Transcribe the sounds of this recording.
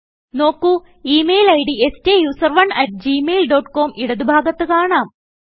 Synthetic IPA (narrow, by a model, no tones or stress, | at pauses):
no̞ːkːu | iːmeːjlɐjɽiesteːjuːsɐrʋɐɳɐʈ̚d͡ʑiːmejlɖo̞ːʈːko̞ːmʔiɽɐðubʱaːɡɐt̪ːɨkaːɳaːm